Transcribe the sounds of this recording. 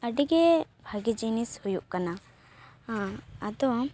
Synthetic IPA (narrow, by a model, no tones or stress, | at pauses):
əɖiɡebʱaɡid͡ʒinishujuʔkana | ɦãɐd̪ɔ